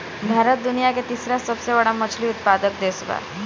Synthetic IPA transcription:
bʱaɾət̪̚d̪unijaket̪isɾasəbsebəɽamət͡ʃʰliut̪̚pad̪ək̚d̪esɡa̰

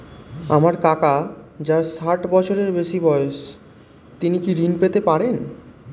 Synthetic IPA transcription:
amaɾkakad͡ʑaʃaʈbɔt͡ɕʰoɾeɾbeʃibɔes | t̪inikiɾinpet̪epaɾen

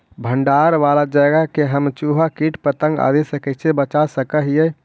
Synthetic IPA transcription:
bʱəɳɖaɾʋalad͡ʒəɡəkeɦəmt͡ʃuɦakiʈʰpət̪ə̃ŋɡa̰d̪esəkɛt͡ʃʰebət͡ʃasəkəɦijə

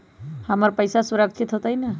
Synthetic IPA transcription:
həməɾpəɪsasuɾək̚t͡ʃʰit̪ɦot̪əjnə

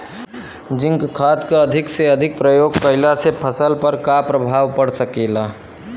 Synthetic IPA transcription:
d͡ʒiŋkkːʰad̪keəd̪ʱikseəd̪ʱik̚pɾəjoɡkəɪlasʰepʰəsəlpəɾkapɾəbʱaʋpəɽsəkela

